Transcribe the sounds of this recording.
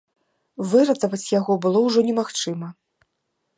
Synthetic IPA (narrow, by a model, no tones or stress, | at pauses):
vɨɾɐt̪ɐvɐt͡sʲjaɣɔbɨlˠɔwʐɔnʲɛmaxt͡ʂɨmɐ